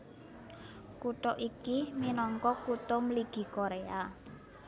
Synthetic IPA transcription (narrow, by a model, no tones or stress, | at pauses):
kuʈ̪ɔʔikiminɔŋkɔkut̪ɔmliɡ̥i̤koɾea